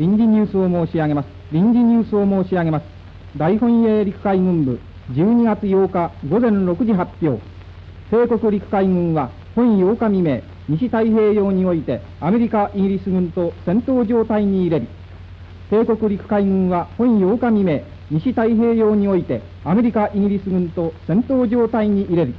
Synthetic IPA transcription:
ɾʲĩɲd͡ʑiɲ̟ɨːsɨo̞mo̞ːɕiaɡe̞masɨ̥ɾʲĩɲd͡ʑiɲ̟ɨːsɨo̞mo̞ːɕiaɡe̞masɨ̥ | d̪aiɦõ̞ɰ̃eːɾʲikɯ̟̥kaiɡɯ̟̃mbɯ̟ | d͡ʑɨːɲ̟iɡat͡sɨjo̞ːkaɡo̞zẽ̞nɾo̞kɯ̟ʑiɦapʲjo̞̰ː | se̞ːko̞kɯ̟ɾʲikɯ̟̥kaiɡɯ̟̃ɰ̃βa | hõ̞ɰ̃ĩjo̞ːkamʲime̞ | ɲiɕit̪aiɦe̞ːjo̞ːɲ̟io̞it̪e̞ | ame̞ɾʲikaʔiɡʲiɾʲisɨɡɯ̟̃nt̪o̞sẽ̞nt̪o̞ːʑo̞ːt̪aiɲ̟iːɾe̞ɾɯ | se̞ːko̞kɯ̟ɾʲikɯ̟̥kaiɡɯ̟̃ɰ̃βahõ̞ɰ̃jo̞ːkamʲime̞ː | ɲiɕit̪aiɦe̞ːjo̞ːɲ̟io̞it̪e̞ | ame̞ɾʲikaʔiɡʲiɾʲisɨɡɯ̟̃nt̪o̞sẽ̞nt̪o̞ːʑo̞ːt̪aiɲ̟iʔiɾe̞ɾɯ̟

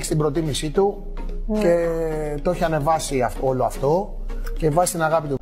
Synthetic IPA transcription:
çi̥st̪ibɾo̞t̪imisit̪u | ce̞t̪oçiɐne̞vɐsiɐfo̞loɐft̪o̞ | ce̞vɐzist̪inɐɣɐpit̪u

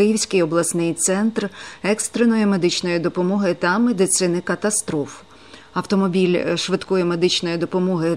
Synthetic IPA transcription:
ɪjiwsʲkɪjɔblˠɐsnɪjt̪sɛnt̪rɛkst̪ɾenɔjʊmed̪ɪt͡ʃnɔjid̪ɔpɔmɔɦɪt̪ɐmed̪ɪt̪sɪnɪkɐt̪ɐst̪ɾɔf | ɐwt̪ɔmɔbʲilʲʃʋɪd̪kɔjʊmed̪ɪt͡ʃnɔjid̪ɔpɔmɔɦɪ

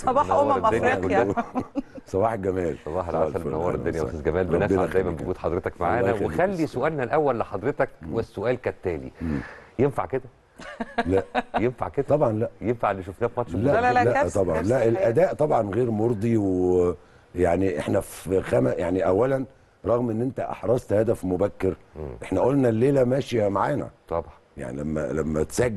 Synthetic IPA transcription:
sbɑːnowɑɾd̪e | sˤɑβɑːħeɡæmæːlsˤɑbɑːħælʕæsælnæwɑːɾˤd̪ːonjæw̰sezɡæmæːlɾɑnæbːennd̪æjmæmboɡuːt̪ħɑd̪ɾet̪ækmaʕaːnæwexælːisoʔæːlnælʔæwːælːeħɑd̪ˤɾet̪ækːwesːoʔæːlkæt̪ːæːlḭemːjenfa̰ʕked̪æ | læʔjenfa̰ʕked̪t̪ˤɑbʕɑnlæʔjenfaʕelːiʃofnæːfimɑt̪ʃʃlælæt̪ˤɑbʕɑ̰nlæʔelʔæd̪æːʔt̪ˤɑbʕɑnɣeːɾmoɾˤd̪ˤiw | jaʕniʔeħnæfxæmæjaʕniʔæwːælæn | ɾˤɑɣmʔenːʔent̪æʔɑ̰ħɾˤɑsˤt̪hæd̪æfmobækːeɾ | ʔeħnæʔolnælːeːlæmæːʃiæmaʕaːnæ̰t̪ˤɑbʕ | ja̰ʕnḭlæmːæ̰læmːæ̰t̪sæɡ

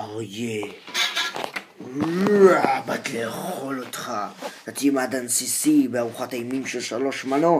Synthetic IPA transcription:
aʁje | abat̪leːχχolot̪χat̪at̪ijemad̪ansisibeaʁuχat̪ajmimʃelʃalo̞ʃmano

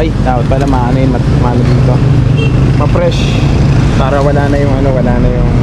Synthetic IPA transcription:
ɐjd̪aot̪̚paːlɐmɐʔaːnɐjmɐt̪manɐd̪int̪o | mɐpɾɛʃ | paːɾɐwɐlaːnɐjʊŋɐnowɐlaːnɐjʊŋ

